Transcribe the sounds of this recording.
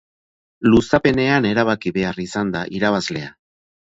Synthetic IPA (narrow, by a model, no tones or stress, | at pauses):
lusape̞ne̞ane̞ɾaβakiβe̞arisand̪aʔiɾaβ̞azle̞a